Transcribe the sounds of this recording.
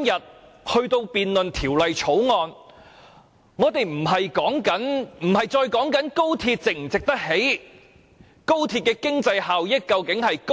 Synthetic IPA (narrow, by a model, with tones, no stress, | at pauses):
mjɐ˨t̚ | hɵ˧ɥt̪o˧wpiː˨nlɵ˨nt̪ʰiː˨˩wlɐ˨jt͡ʃʰo˨˥wŋɔː˧n | ŋɔː˨˧t̪e˨jm̩˨˩ɦɐ˨jkɔː˨˥ŋkɐ˨˥nm̩˨˩hɐ˨jt͡ʃɔː˧jkɔː˨˥ŋkɐ˨˥nko˥wt̪ʰiː˧t̚t͡sɪ˨k̚m̩˨˩t͡sɪ˨k̚t̪ɐ˥k̚he˨˥j | ko˥wt̪ʰiː˧t̚kɛː˧kɪ˥ŋt͡sɐ˧jhaː˨wjɪ˥kːɐ˧wkɪ˨˥ŋhɐ˨jk